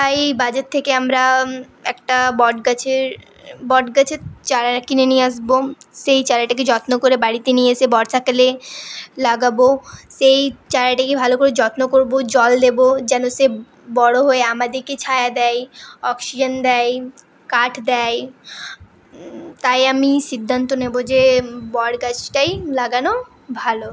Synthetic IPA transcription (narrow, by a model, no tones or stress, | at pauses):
t̪ajbad͡ʑatt̪ʰːekeamɾa | ɛkʈabɔɖɡat͡ɕʰeɾ | bɔɖɡat͡ɕʰet͡ɕaɾakinenijeaʃboʃejt͡ɕaɾaʈak̬ed͡ʑɔt̪nokoɾebaɽit̪enijesebɔɽtʰakalelaɡabosejt͡ɕaɾaʈakebʱalokoɾed͡ʑɔt̪nokoɾbod͡ʑɔld̪ebod͡ʑɛnose | bɔɽoɦoeamad̪eɾket͡ɕʰajad̪ɛjɔksid͡ʑand̪ɛj | kaʈʰd̪ɛj | t̪ajamiʃid̪ʱːant̪onebod͡ʑebɔɽɡat͡ɕʈajlaɡano | bʱalo